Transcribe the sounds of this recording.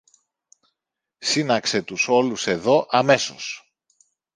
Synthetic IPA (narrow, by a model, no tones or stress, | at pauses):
sinɐkse̞t̪uso̞luse̞ðo̞ʔɐme̞so̞̰s